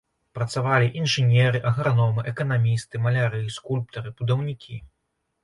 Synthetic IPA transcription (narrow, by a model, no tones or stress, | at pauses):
pɾɐt̪savalʲiʔinʐɨnʲɛɾɨʔɐɣɾanɔmɨʔɛkɐnamʲist̪ɨmɐlʲaɾɨskulʲp̚t̪ɐɾɨbud̪ɐwnʲikʲʰḭ